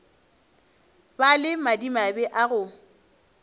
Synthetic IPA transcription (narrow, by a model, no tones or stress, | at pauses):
balɪmadimabɛʔaɣʊ